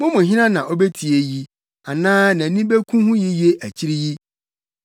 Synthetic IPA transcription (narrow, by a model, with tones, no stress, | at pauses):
mʊ̃˦mʊ̃˨ɦɪ̃˦nã˦nã˨ʔɔ˦be˦tʰi˨e˨ji˦ | a˨nãː˦nã˨nĩ˦be˦kʰũ˦hʊ̃˦ji˦je˦ʔæ˨t͡ɕʰi˦ɾi˦ji˦